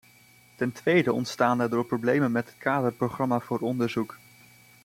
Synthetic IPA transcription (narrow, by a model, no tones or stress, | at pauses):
tɛntʋejdəɔ̰ntstaːndɛɹdʊːɹprowblejmənmɛtɦətkaːdəɹproχrɑmaːv̥ʊːɹɔndəɹzuk